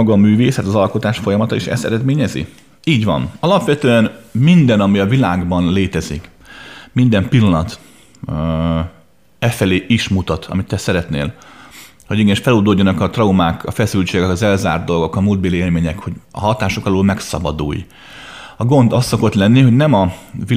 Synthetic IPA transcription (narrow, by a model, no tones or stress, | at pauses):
ɒɡɒmyːveːsɛt̪ɒzɒlko̞t̪aːʃfo̞jɒmɒt̪ɒiʃɛ̰sɛ̰ɾɛd̪meːɲɛzḭ | iːɟʋɒ̰nɒlɒpʋɛt̪øːɛnmind̪ɛnɒmiɒvilaːɡbɒnleːt̪ɛzḭk | mind̪ɛmpilːɒnɒt̪ | ɛfɛleːʔiʃmut̪ɒt̪ʰɒ̰mit̪ːɛsɛɾɛt̪nḛːl | ho̞ɟiɡɛniʃfɛloːd̪oːɟːonɒkɒt̪rɒumaːkɒfɛsylt͡ʃeːɡɛkɒzɛlza̰ːrd̪d̪o̞lɡo̞kɒmuːld̪̚beːlieːlmeːɲɛkho̞ɟɒ̰ɦɒt̪aːʃo̞kɒloːlmɛksɒ̰bɒd̪ṵːj | ɒɡo̞nd̪ɒsːo̞ko̞t̪lɛnːiɦo̞ɟnɛmɒvi